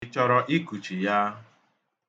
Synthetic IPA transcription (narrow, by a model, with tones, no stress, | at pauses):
t͡ʃɔ˨ɾɔ˦ʔi˦ku˨t͡ʃi˨ja˦